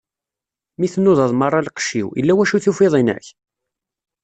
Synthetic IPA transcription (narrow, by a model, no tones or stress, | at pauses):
miθnːʊðˤɑðˤmərˤːɑlqə̥ʃːḭwə̰lːæwæʃuθufɪðˤinæ̰ç